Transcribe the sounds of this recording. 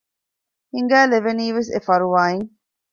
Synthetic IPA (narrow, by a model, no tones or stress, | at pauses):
hiŋɡæːleʋeniːʋesḛfɐɾuʋaːeŋ